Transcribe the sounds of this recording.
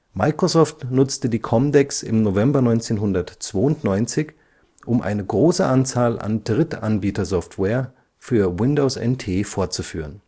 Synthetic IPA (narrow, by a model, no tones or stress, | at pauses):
maɪkʁ̥ozɔːftnʊt͡stədiːkʰɔmdɛksɪ̰mnovɛmbɐnɔʏnt͡seːnɦʊndɐtt͡sv̥oːʊntnɔʏnt͡sɪç | ʔʊmʔa̰ɪnəɡʁoːsəʔant͡saːlʔa̰nd̥ʁɪtʰʔanbiːtɐzɔftwɛːɐ | fyːɐwɪndoʊsɛ̰ntʰeːfoːɐt͡sufyːʁ̞ən